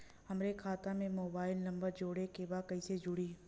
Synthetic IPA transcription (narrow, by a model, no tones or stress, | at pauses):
hɐmɾekʰaːt̪amẽmoːbaːɪlnɐ̃mbəɾd͡ʒoːɽekebaːkɐised͡ʒʊɽiː